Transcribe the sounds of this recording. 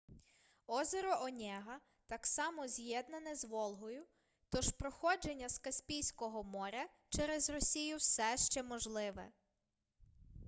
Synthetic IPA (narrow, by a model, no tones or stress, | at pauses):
ɔzeɾɔʔɔnʲɛɦɐ | t̪ɑksɑmɔzʲjɛd̪nɐnɛzʋɔlˠɦɔjʊ | t̪ɔʒpɾɔxɔd͡ʒenʲːɐskɐsʲpʲijsʲkɔɦɔmɔɾʲɐ | t͡ʃɛɾɛzrɔsʲijʊwsɛʃt͡ʃɛmɔʒlˠɪʋɛ̰